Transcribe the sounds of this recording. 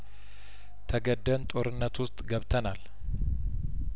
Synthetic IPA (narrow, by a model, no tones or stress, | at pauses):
t̪ʰəɡəd̪ːənt̪ʼo̞ɾɨnːət̪wʊst̪ʼɡəβt̪ʰənal